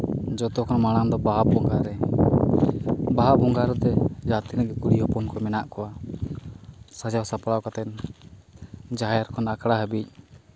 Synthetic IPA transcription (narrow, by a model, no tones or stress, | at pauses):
d͡ʒɔt̪ɔkɔnmaɽ̃amd̪ɔbaɦabɔŋɡaɾɛ | baɦabɔŋɡaɾɛt̪ɛd͡ʒat̪inɛɡɛkuɽiɦɔpɔnkɔjmɛnaʔkɔwa | sad͡ʒawsapɽawkat̪ɛn | d͡ʒajaɾkʰɔnakɽaɦɛbic̚ˀ